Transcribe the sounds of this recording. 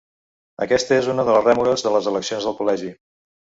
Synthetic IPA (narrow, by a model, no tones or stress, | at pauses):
ə̰kɛst̪əezunəðələrɛmuɾəzðələzələksionzðəlˠkulɛʒi